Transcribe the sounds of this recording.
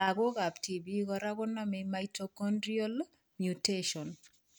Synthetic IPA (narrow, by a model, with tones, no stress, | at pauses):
a˨ko˦ka˨pti˨bi˦kɔ˨ɾa˦kʊ˦na˦memajtokɔndɾiɔ˦l | mju˨teʃɔ˨n